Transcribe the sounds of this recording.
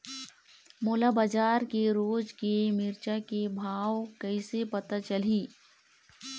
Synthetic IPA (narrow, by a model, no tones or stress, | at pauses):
moːlabad͡ʒaːɾkeɾoːd͡ʒkemɪɾt͡ʃakebʱaːʋkɐisepɐt̪at͡ʃɐliː